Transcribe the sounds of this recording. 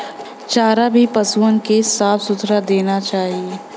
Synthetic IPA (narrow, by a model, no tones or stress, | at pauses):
t͡ʃaːɾabʱipɐsuənkesaːfsʊt̪ɾad̪eːnat͡ʃaːɦie